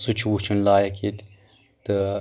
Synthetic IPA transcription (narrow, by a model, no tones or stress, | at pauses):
sut͡ʃʰut͡ʃʰunlaːjɐkit̪ | t̪ɨ